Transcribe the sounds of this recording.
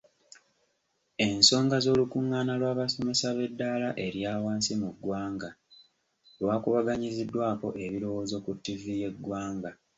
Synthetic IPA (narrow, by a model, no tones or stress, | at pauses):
e̞nso̞ːŋɡazo̞ːlukuŋːaːnalwaːβaso̞me̞saβe̞dːalaʔe̞ɾjaːwaːnsimuɡwaːŋɡa | lwaːkuβaɡaɲizidːwaːko̞ʔe̞βiɾo̞wo̞ːzo̞kutːivije̞ɡwaːŋɡa